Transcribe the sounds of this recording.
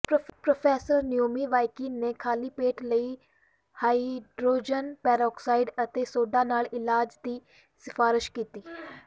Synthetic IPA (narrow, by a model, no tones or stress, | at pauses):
pɾopʰɛːsəɾnɪjoːmiːʋaːikiːneːkʰaːliːpeːʈləiː | haːiɖɾoːd͡ʒənpɛːɾɔːksaːiɖət̪eːsoːɖaːnaːlɪlaːd͡ʒd̪iː | sɪfʰaːɾɪʃkiːt̪iː